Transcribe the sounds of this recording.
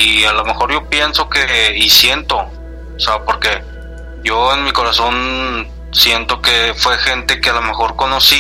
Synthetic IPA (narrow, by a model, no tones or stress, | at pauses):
ialome̞xo̞ɾʝo̞pje̞nso̞ke̞isje̞nt̪o̞ | osepoɾke̞ | ʝo̞enmiko̞ɾaso̞n | sje̞nt̪o̞kefwe̞xe̞nt̪e̞kealome̞xo̞ɾko̞nosi